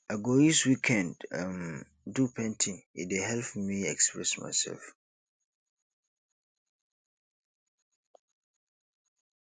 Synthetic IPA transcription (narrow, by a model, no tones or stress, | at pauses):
aɡodiswikʰɛ̃ndam | dupʰɛ̃ntʰĩŋḭdeɦɛlpmĩɛkspɹɛsma̰ɪsɛ̰lf